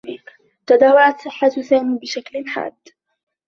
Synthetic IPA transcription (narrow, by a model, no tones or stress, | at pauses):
t̪ad̪aːwaʕat̪sˤɨħːasaːmiːbɪʃaklɪnħa̰ːd̪ː